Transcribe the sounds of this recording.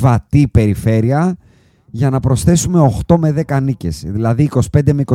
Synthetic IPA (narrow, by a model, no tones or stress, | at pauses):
vɐt̪ipe̞ɾife̞ɾiɐ | ʝɐnɐpɾo̞sθe̞sume̞o̞xt̪o̞me̞ðe̞kɐnice̞̰sðilɐðiːko̞si̥pe̞nd̪emeiko